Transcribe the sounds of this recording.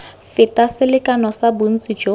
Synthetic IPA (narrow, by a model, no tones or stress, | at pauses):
fɪtʼasɪlɪkʼanɔsabʊn̩t͡sʼid͡ʒo